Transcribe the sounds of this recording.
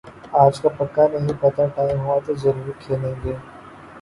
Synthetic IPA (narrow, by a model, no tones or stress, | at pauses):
aːd͡ʒkapɐkːanɐɦĩpɐt̪aʈaːɪmɦuat̪ozɐɾuːɾikʰeːlẽːŋɡeː